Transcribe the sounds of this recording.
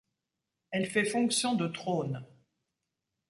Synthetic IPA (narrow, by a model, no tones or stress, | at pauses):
ɛlfɛfɔ̃ksjɔ̃d̪ət̪χon